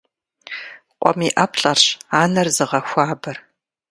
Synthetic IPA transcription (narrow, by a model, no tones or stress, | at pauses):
qʷʼɔ̰miːʔɐpʰɬʼɐrɕaːnɐrzɨʁɐxʷaːbɐr